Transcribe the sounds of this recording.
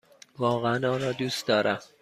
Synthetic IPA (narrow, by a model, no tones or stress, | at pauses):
vɒːɣeænɒːnɾɒːd̪uːsd̪ɒːɾʔæm